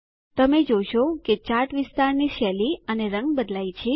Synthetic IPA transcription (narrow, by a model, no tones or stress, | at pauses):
t̪əmed͡ʒoʃoket͡ʃaʈʋɪst̪aɾniʃɛliəneɾəŋɡbəd̪lait͡ʃʰe